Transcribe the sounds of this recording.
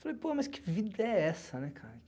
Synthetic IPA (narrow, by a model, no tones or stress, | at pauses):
falejpohɐmɐskɪ̥vid̪ɐɛɛsɐnɛkʰa̰ɾɐk